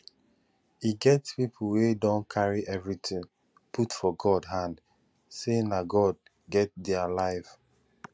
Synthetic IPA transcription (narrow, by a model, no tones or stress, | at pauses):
iɡɛtspipʰl̩wedɔ̃nkʰaɹiʔɛvɹitʰĩŋ | pʰutfɔɡɔdɦãnd | senaɡɔd̚ | ɡɛt̚dɛalaɪv